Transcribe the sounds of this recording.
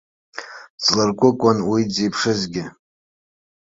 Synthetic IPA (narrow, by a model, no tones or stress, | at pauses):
t͡slarkʷʼʊkʷʼanwid͡zejpʰʂɨzɡʲɪ